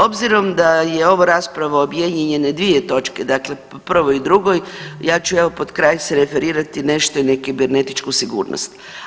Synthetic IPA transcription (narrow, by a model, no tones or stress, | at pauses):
o̞bziɾo̞md̪aje̞o̞ʋaɾaspɾaʋaobjedɲeɲe̞ne̞d̪ʋije̞t̪o̞t͡ʃke̞d̪akle̞opr̩ʋoid̪ɾuɡo̞jjaːt͡ʃueʋo̞po̞d̪kɾajseɾefe̞ɾiːɾat̪ine̞ʃt̪oinekibeɾne̞t̪it͡ʃkusiɡṵːɾno̰st̪